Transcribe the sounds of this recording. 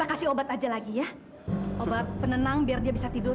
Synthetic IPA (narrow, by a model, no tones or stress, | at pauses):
akasɪobat̪ad͡ʒalaɡijah | obat̪̚pənənaŋbiardiabisat̪idʊ